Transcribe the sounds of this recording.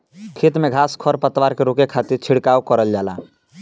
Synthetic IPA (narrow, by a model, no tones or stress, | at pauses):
kʰit̪meɡʱaskʰɔɾpət̪waɾkeɾokekʰat̪iɾt͡ʃʰiɽkaukəɾəld͡ʒala̰